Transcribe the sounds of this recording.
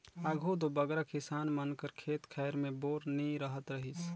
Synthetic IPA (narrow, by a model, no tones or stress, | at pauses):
aɡʱut̪obəɡɾakisanmənkəɾkʰet̪kʰɛjɾmeboɾniɾəɦət̪ɾəɦit͡ʃʰ